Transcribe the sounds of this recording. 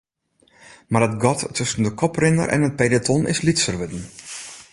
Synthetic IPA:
marətɡɔtːɵsən̩dəkʰɔprɪnə̰rʔɛ̰nət̚pedətʰɔnɪ̰slitsərʋødn̩

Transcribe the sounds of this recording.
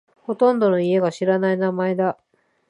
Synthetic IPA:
ho̞t̪õ̞nd̪o̞no̞ie̞ɡaɕiɾanainamae̞d̪a

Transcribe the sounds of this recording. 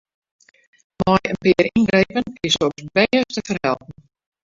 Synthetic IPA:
mɔjənpɪːɾinɡɾejpənkɪsoksbejəstəfərhɛ̰lˠp̚n̩

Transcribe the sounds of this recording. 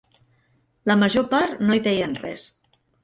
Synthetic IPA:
ləməʒopaɾt̪noiðɛjənrɛ̰s

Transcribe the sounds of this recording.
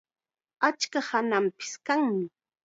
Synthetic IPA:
at͡ʃkahanampɪ̥skaŋmɪ

